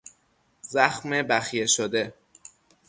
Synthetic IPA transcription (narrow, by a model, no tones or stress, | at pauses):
zæxmebæxjeʃod̪e̞